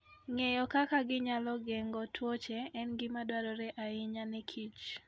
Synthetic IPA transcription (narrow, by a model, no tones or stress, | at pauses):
ŋejɔkakaɡɪɲalɔɡɛŋɡɔtʰwot͡ʃɛɛnɡɪmadwaɾɔɾɛʔaɪɲanɛkʰit͡ʃ